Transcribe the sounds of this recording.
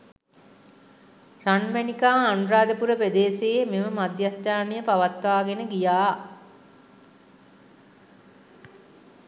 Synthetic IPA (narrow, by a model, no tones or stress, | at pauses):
ranmænikaːnuɾaːd̪əpuɾəped̪eːsememəmad̪jat̪jaːnijəpaʋat̪ʋaːɡenəɡijaː